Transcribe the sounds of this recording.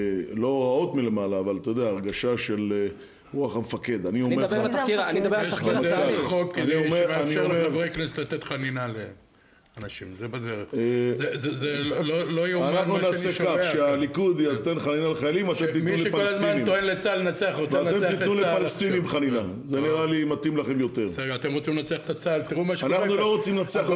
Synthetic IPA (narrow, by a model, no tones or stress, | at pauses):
lo̞ʁao̞t̪milemalaːvalt̪ajd̪eaːʁɡaʃaʃe̞l | ʁuaχamefake̞d̪anionme | okniomeaniomevʁejknest̪lat̪et̪χaninale | anaʃimzebad̪eʁeχzezezellolojeoanaχnunaːsekaʃealikud̪jat̪enχaninaleχajalimat̪emt̪itmuuleʃekpalolaszmannimoenlet͡salenat͡seaχʁot͡seatnaemet̪itnulepalest̪inimbχanina | zeniʁalimat̪imlaχemjo̞t̪eʁseɡat̪emʁo̞t͡simlnat͡seaχe̥t̪at͡salt̪iʁumaʃeanaχnullo̞ʁot͡simnat͡seaχ